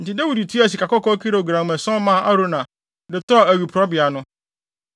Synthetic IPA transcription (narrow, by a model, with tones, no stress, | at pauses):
n̩˨tɪ˨da˦wu˨di˨tʰu˦a˨s̬i˨ka˨kɔ˦kɔ˦kʰi˦ɾo˨ɡɾã˨mɛ̃˨sɔ̃˦mã˦˨ʔa˦ɾo˦nã˨ | dɪ˨tɔ˦˨æ˨ɥu˨pʰɾɔ˦bɪ˨a˨nʊ̃˦